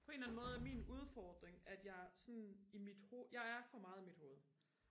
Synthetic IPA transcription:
pʰɒ̽e̝ːnlæn̩mɔ̽ːð̞̩ˠæɐminuð̞ˠfɒːd̥ʁeŋæd̥jɑ̈ɪsɔnimid̥hojɑ̈ɪæɐfɒ̽mɑ̈ːðˠimid̥ho̝ːð̞̩ˠ

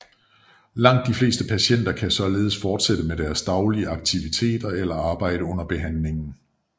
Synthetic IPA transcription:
lɑ̈ŋ̰d̥ːifle̝̰ːsd̥əpʰæɕen̰d̥ɐkʰæsɒ̽le̝ːð̞̩ˠsfɒːd̥sed̥əmed̥æɐsd̥ɑ̈ʊliəɑ̈ɡ̥̚t͡sʰiʋit͡sʰe̝̰ːd̥ɐelɐɑ̈ːb̥ɑ̈ɪ̰ɾ̥əɔ̽n̰ɐb̥e̝ɦænle̝ŋn̩

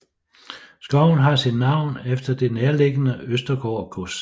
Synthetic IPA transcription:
sɡ̥ɒʊ̰n̩ɦɑ̈sin̥nɑ̈ʊ̰nefd̥ɐd̥e̝neːɐle̝ɡ̥ənəøsd̥ɐɡ̥ɒ̰ːɡ̥ʰos

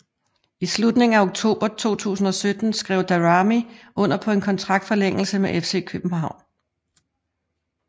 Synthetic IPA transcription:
islud̥ne̝ŋ̩æoɡ̥̚t͡sʰo̝̰ːb̥ɐt͡sʰo̝̰ːt͡sʰṵːsn̩ɒ̽sød̥n̩sɡ̥ʁɛʊd̥æʁɑmiʔɔ̽n̰ɐpʰɒ̽e̝nkʰɒ̽nt͡sʰʁɑ̈ɡ̥̚d̥fɒ̽leŋ̰l̩səmeʔefse̝̰ːkʰøb̥m̩ɦɑ̈ʊ̰n

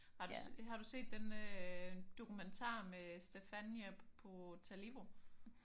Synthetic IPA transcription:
hɑ̈d̥uhɑ̈ɾ̥use̝̰ːd̥ːenə | d̥o̝kument͡sʰɑ̰̈ːmesd̥efænæpʰɔ̽t͡sʰæliʋo̝

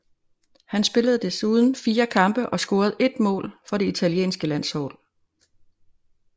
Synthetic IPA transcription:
hænsb̥e̝ləð̞̩ˠd̥e̝suːðˠn̩fiːɐkʰɑ̈mb̥əʔɒ̽sɡ̥o̝ːɐð̞̩ˠe̝d̥mɔ̰̽ːlfɒ̽ɾe̝it͡sʰæljḛːnsɡ̥əlæn̰shɒ̰̽ːl

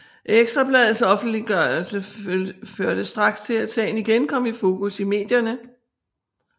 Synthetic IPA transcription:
ʔeɡ̥sd̥ʁɐb̥lɛːð̞̩ˠsɒ̽fn̩d̥liɡ̥ɶɐlsəføɐd̥əsd̥ʁɑ̈ɡ̥st͡sʰe̝læd̥sɛ̰ːɪn̩iɡ̥enkʰɒ̽m̰ifo̝ːkusime̝̰ːd̥jɐnə

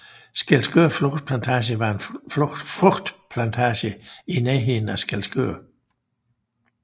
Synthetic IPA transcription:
sɡ̥ælsɡ̥øɐ̰fʁoɡ̥d̥pʰlænt͡sʰæːɕ̬əʋɑ̈e̝nffʁoɡ̥d̥pʰlænt͡sʰæːɕəinɛːɦin̩æsɡ̥ælsɡ̥ø̰ɐ̰

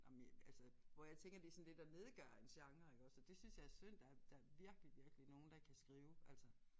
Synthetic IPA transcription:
nɑmælsəʋɒjäɪt͡sʰeŋ̰ɡ̥ɐd̥isɒ̽nd̥e̝d̥ɑne̝ːð̞ˠəɡ̥ɶɐ̰e̝nɕɑ̈ŋɐeɡ̥ɒ̽sɒd̥e̝synsjɑ̈ɪæɐsøn̰d̥ɑæɐd̥ɑ̈ɐʋiɐɡ̥əliʋiɐɡ̥əlino̝ːn̩d̥ɑkʰæsɡ̥ʁiːʊʔælsə

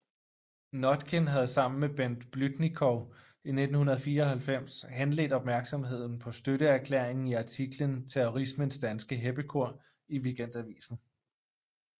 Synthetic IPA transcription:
nɒd̥kʰenɦæð̞̩ˠsɑ̈m̰n̩meb̥en̰d̥b̥lyd̥nikʰɒ | ine̝d̥n̩hunɐð̞̩ˠfiːɐɒ̽hælfem̰shenlḛːd̥ɒ̽b̥̚mæɐɡ̥sɒ̽mɦe̝ð̞̰ˠn̩pʰɒ̽sd̥øɾəæɐkʰlḛːɐ̰eŋn̩iɑ̈t͡sʰiɡ̥lənt͡sʰeɔʁismənsd̥ænsɡ̥əɦeb̥əkʰo̝ɐ̰ | iʋiɡ̥en̰d̥æʋḭːsn̩

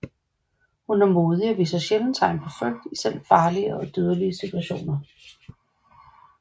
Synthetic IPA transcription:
hunæɐmo̝ːð̞ˠiɒʋḭːsɐɕeln̩t͡sʰɑ̈ɪ̰npʰɒ̽fœɡ̥̚d̥isel̰̥fɑ̈ːliəɒ̽d̥øːð̞ˠəliəsit͡sʰuæɕo̝̰ːnɐ

